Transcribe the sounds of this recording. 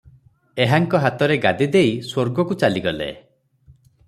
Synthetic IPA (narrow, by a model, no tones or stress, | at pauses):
eɦaŋkɔɦat̪ɔɾeɡad̪id̪eiswoɾɡɔkut͡ʃaliɡɔlḛ